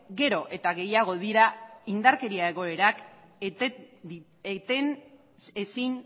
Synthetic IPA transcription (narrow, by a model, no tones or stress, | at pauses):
ɡe̞ɾo̞ʔe̞t̪aɣe̞jaɣ̞o̞ðiɾaind̪aɾke̞ɾiae̞ɣ̞o̞e̞ɾak | et̪en | esin